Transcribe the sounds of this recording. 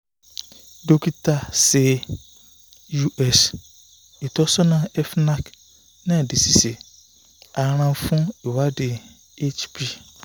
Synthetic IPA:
do˨ki˦ta˦sɪ˨ | ju˦ʔɛ˦s | e˨tɔ˦sɔ˦nã˦ɛ˦fna˦k | nã˦˨dɪ˨si˨se˨ | a˨ɾ̃ã˨˦fʊ̃˦e˨wa˦dɪ˨ | e˦t͡ʃpi˦

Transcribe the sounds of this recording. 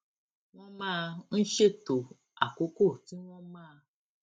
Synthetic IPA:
w̃ɔ̃˦mãː˦˧n̩˦ʃe˦˨to˨ | a˨ko˨˦ko˦˨ti˨˦w̃ɔ̃˦mãː˦˧

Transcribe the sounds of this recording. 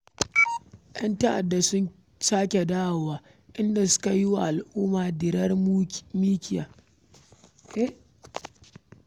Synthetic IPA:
j̰ɐ˦ntɐ˦ʔa̰˨dːa˨sʊ˦n | saː˦kʲe˨daː˦˨waː˨ | ʔɪ˦nda˨sʊ̥˦ka˨jɪ˦wa˨ʔa˨lʔuː˦maː˨dɪ˨ɾɐ˦rmiː˦kʲɪ˨ja̰ː˨ | ʔe˦

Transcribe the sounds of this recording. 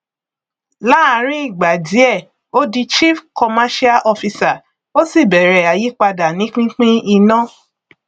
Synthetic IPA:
la˦a˨˦ɾ̃ĩ˦i˦˨ɡ͡ba˨di˨˦ɛ˦˨ | o˦di˧t͡ʃi˦fkɔ˧ma˦ʃi˦a˦ʔɔ˧fi˧sa˨ | o˦si˦˨bɛ˨ɾɛ˨a˨ji˨˦k͡pa˧da˨nĩ˨˦k͡pĩ˦k͡pĩ˦i˧nã˦

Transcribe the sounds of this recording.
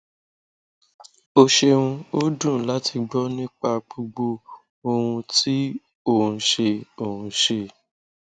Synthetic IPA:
o˧ʃe˧wũ˧o˦dũ˦˨la˦ti˧ɡ͡bɔ˦nĩ˦k͡pa˧k͡pu˧ɡ͡bo˧ | o˧wũ˧ti˦ | o˦˨ũ˧ʃe˧o˨hũ˧ʃe˧

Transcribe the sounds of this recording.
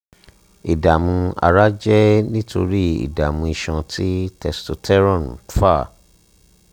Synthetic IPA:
i˨da˨mũ˧a̰˧ɾa˦d͡ʒɛ˦nĩ˦tʰo˧ɾi˦ḭ˨da˨mũ˧i˧ʃɔ̃˧tʰi˦tɛ˧sto˧tʰɛ˦ɾɔ̃˦˨n˨fa˦˨

